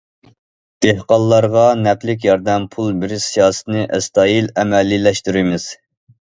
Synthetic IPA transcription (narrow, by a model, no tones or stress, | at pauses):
d̪̥ehqɑlˠːɑɾʁɑnɛpʰlɪk̬ʲjɑɾd̪ɛmpʰulˠbɪɾsijɑːsɨ̥t̪nɨʔɛst̪ɑːilɛmɛlːilɛʃt̪yɾimɪz̥